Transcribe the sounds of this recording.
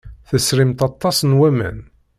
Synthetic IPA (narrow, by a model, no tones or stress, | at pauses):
θəsɾimt̪ɑt̪ˤːɑsˤnwæmæ̰n